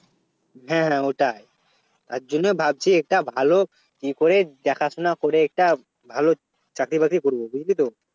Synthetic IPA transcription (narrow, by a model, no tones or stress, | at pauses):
ɦɛ̃ɦɛ̃oʈaj | t̪aɾd͡ʑonːebʱab̚t͡ɕʰiɛk̚ʈabʱalo | kikoɾed̪ɛkʰaʃonakoɾeɛk̚ʈa | bʱalo | t͡ɕakɾibakɾikoɾbobud͡ʑlit̪o